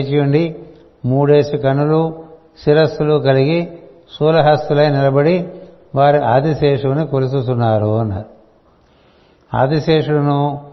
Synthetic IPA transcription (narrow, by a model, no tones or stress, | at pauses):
t͡ʃijuɳɖi | muːɽe̞ːsukɐnːulu | siɾɐst̪ulukɐliɡi | suːlɐɦɐst̪ulɐjnilɐbɐɽi | ʋaːɾiʔaːd̪iseːʂɐʋnikolus̬ut̪unːaːɾunɐ | a̰ːd̪iseːʂuɽɐnu